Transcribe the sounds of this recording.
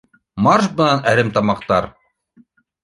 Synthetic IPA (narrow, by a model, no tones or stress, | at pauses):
mɑɾʃbɤ̆nɑnæɾɘmt̪ɑmɑqt̪ɑɾ